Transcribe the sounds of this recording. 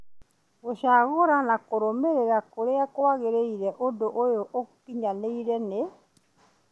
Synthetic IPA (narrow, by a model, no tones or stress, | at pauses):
ɣoʃaɣoɾanakoɾomeɾeɾakoɾeakowaɣeɾeiɾɛʔodoʔojoʔokupiɲaneiɾɛne